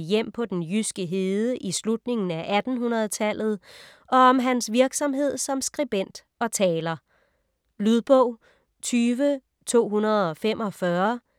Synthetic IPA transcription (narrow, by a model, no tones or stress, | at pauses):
jem̰pʰɒ̽d̥enjysɡ̥əɦe̝ðˠəʔislud̥ne̝ŋn̩æʔæd̥n̩ɦunɐð̞ˠt͡sʰæl̰ð̞̩ˠ | ɒ̽ːmɦænsʋiɐɡ̥sɒ̽mɦe̝ð̞̰ˠsɒ̽msɡ̥ʁib̥en̰d̥ | ɒ̽t͡sʰɛːlɐ | lyðˠb̥ɔʊ̰ | t͡sʰyːʋə | t͡sʰo̝̰ːɦunɐð̞ˠɒ̽femʔɒ̽fɶɐ